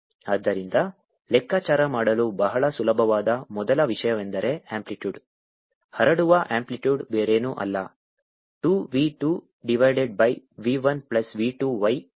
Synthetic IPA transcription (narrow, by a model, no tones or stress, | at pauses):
aːd̪ːɐɾind̪ɐ | lɛkːaːt͡ʃaːɾɐmaːɽɐlubɐɦɐɭɐsulɐbʱɐʋaːd̪ɐmɔd̪ɐlɐʋiʂɐjɐmend̪ɐɾe̞aːmpliʈjuːɖ | hɐɾɐɽuʋɐʔaːmpliʈjuːɖbeːɾeːnuʔɐ̰lːɐ | ʈuːʋiːʈuː | ɖiʋɐjɖeɖ̚bɐjʋiːʋɐnplɐsʋiːʈuːʋɐj